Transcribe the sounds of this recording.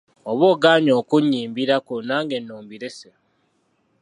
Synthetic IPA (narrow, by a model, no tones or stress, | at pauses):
oβoːɡaːɲo̞ːkuɲːiːmbiɾakunaːŋɡe̞nːoːmbiɾese